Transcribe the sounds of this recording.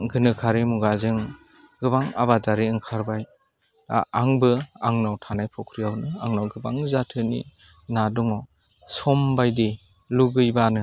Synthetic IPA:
ɡɯnɯkʰaɾimuɡazɯŋ | ɡɯbaŋa̰badaɾiɯŋkʰaɾbaj | a̰aŋbɯaŋnawtʰanajpʰɔkʰɾijawnɯa̰ŋnawɡɯbaŋzatʰɯnḭ | nadɔŋɔ | sɔmbajdi | luɡɯjbanɯ

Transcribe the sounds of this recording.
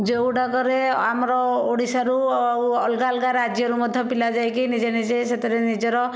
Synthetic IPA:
d͡ʒewɽakɔɾeamɾɔoɽisaɾuawɔlɡalɡaɾad͡ʒjɔɾumɔd̪ʱjɔpilad͡ʒajkinid͡ʒenid͡ʒeset̪ʰiɾenid͡ʒɔɾɔ

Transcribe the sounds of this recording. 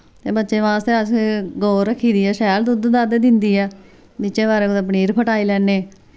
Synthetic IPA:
t̪eːbətːʃẽːʋãːst̪eːəsɡoːɾəkʰːiːd̪iːɛːʃɛːld̪ʊd̪d̪ad̪ed̪ɪnd̪iːɛː | bɪːt͡ʃẽːbaːɾeːkd̪əpɳiːɾpʰəʈaːiːlɛːnːeː

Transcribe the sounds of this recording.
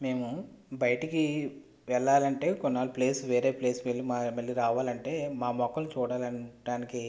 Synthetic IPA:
me̞ːmubɐjɐʈiki | ʋɛɭːaːlɐɳʈe̞ːkɔnːaːluple̞ːsʋe̞ːɾe̞ːple̞ːsʋeɭːimamɐɭːiɾaːʋaːlɐɳʈe̞ːmaːmɔkːɐlut͡ʃuːɽaːlɐɳɖaːniki

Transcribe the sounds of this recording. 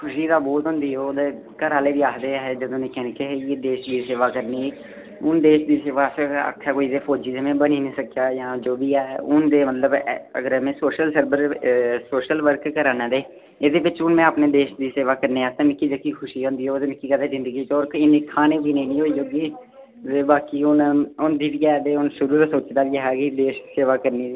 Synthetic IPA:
kʰʊʃiːd̪aːbɔːt̪ɦʊ̃nd̪iːɦoːd̪eː | kəɾaːleːbiːaːkd̪eːaɦɛːd͡ʒəd̪õːnẽːkɛːnkeɦjeːd̪eːʃd̪iːseːʋaːkəɾniː | ʊnd̪eːʃd̪iːseːʋaːsə̰kʰːaːkoːiːd̪eːpʰoːd͡ʒiːzemẽːbəniːnĩːsəkjaːjãːd͡ʒoːbiːɛːʊnd̪eːmət̪ləbə̰ɡəɾɛmẽːsoːʃəlsəɾbəɾsoːʃəlʋəɾkkəɾaːnãːd̪eː | ɪd̪eːʋɪt͡ʃʊnmɛ̃ːaːpneːd̪eːʃd̪iːseːʋaːkəɾneːaːt̪ãːmɪkːiːd͡ʒəkiːkʰʊʃiːɦõːnd̪iːɦoːd̪eːmɪkːiːkɛːd̪eːzɪ̃nd̪əɡiːt͡ʃɔːɾɪnekʰaːnẽːbiːnẽiːnĩːɦoːiːd͡ʒoːɡiː | deːbaːkiːʊnʊnd̪iːbiːɛːd̪eːʊnʃʊɾuːɾasoːt͡ʃd̪aːʋieɦɛːɡid̪eːʃiseːʋaːkəɾniːiː

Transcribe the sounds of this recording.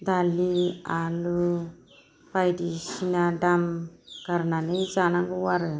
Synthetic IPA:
d̪alialu | pajdisinadamkaɾnanezanaŋɡuwaɾɯ

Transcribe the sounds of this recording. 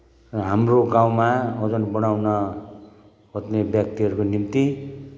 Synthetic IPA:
rʌɦamroɡaw̃maʌd͡zʌnbʌɽ̃awnʌ | ɦʌt̪nebjʌk̚t̪iɦʌɾukonimt̪i

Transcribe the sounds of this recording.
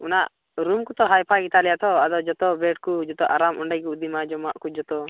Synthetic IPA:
ɔnaʔ | ɾumkut̪ɔɦajpʰaɡit̪alɛjat̪ʰɔad̪ɔd͡ʒɔt̪ɔbɛʈkud͡ʒɔt̪ɔʔaɾamʔɔɳɖajkuud̪imad͡ʒɔmaʔkud͡ʒɔt̪ɔ

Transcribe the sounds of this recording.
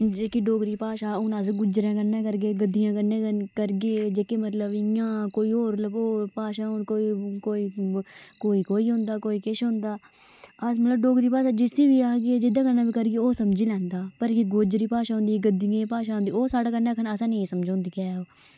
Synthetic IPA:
d͡ʒeːkiːɖoːɡɾiːpaːʃaːʊnaːsɡʊd͡ʒɾẽːkənːẽːkəɾɡeːɡəd̪ːijãːkəɾnẽːkəkəɾɡeːd͡ʒeːkeːmət̪ləbɪjãːkoːiːoːɾləboːɾpaːʃaːkoːikoːiːkoːiːkoːiːɦʊ̃ːnd̪aːkoːiːkeʃɦʊ̃ːnd̪aː | əmət̪ləbɖoːɡɾiːpaːʃaːd͡ʒɪsiːʋiːaːɡed͡ʒɪd̪ãːkəɾnaːbiːkəɾɡeːoːsəmd͡ʒiːlɛ̃ːnd̪aːpəɾkiɡoːd͡ʒɾiːpaːʃaːɦʊ̃nd̪iːɡəd̪ɪjãːpaːʃaːɦõnd̪iːoːsaːɽaːkənaːkʰənəsãːneĩsəmd͡ʒõːnd̪iːkɛːoː

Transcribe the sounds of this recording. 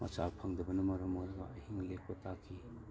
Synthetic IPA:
mʔɐ̰t͡ʃapʰɐŋdɐbɐnɐmɐɾɐmoɾɐɡɐ̰ɐhiŋlek̚ʰpɐtakʰi

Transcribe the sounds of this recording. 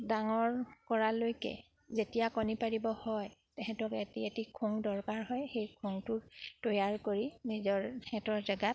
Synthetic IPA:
daŋɔɹkɔɹalojkɛ̰ | zetijakɔnipaɹibɔhɔjtɛxɛtɔketietikʰuŋdɔɹkaɹɦɔjxejkʰuŋtʊɹtojaɹkoɹinizɔɹxɛtɔɹzaɡat̚

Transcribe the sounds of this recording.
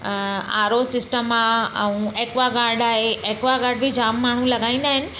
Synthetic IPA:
a̰ːɾosɪsʈəmãɛũeːkʋaɡaːɾɖaːɦeeːkʋaɡaːɾɖ̚bʱid͡ʑaːmːaːɳ̤ũlɐɡaːĩnd̪aːɦɪnɪ̆

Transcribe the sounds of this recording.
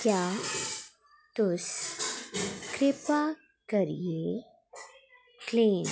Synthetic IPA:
kja | t̪us | kɾepa | kəɾje | klin

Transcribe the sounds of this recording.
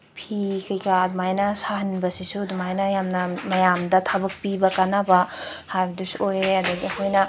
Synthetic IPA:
pʰikɐjkad̪umajnasaɦɐnbɐsisud̪umajnajamnɐmɐjamdɐtʰabɐk̚pibɐkanabahaɾbidisojad̪ɐɡihojnɐ

